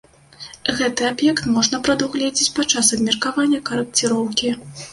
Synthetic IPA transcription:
ɣɛt̪ɨabjɛkt̪mɔʐnɐpɾɐd̪uwɣlʲɛd͡zʲit͡sʲpat͡ʂasɐbmʲɐrkavanʲːɐkɐɾɐk̚t͡sʲiɾɔwkʲi

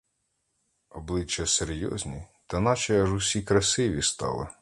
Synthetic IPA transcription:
ɔblˠɪt͡ʃːɐseɾʲjɔ̰zʲnʲit̪ɐnɑt͡ʃɛɐʒʊsʲikɾɐsɪʋʲist̪ɑ̰lˠɪ̰

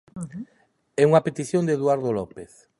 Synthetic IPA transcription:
ɛuŋapet̪iθjõnd̪eðwaɾðolɔpeθ

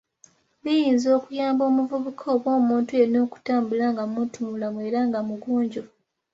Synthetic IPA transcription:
βijiːnzo̞ːkujaːmbo̞ːmuvuβukʰoːβwo̞ːmuːntue̞no̞ːku̥taːmbulaŋɡamutumulamwe̞ːɾaŋɡamuɡuːɲɟo̞

